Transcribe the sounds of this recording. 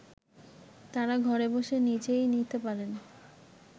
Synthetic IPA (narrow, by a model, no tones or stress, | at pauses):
t̪aɾaɡʱɔɾeboʃenit͡ɕejnit̪epaɾen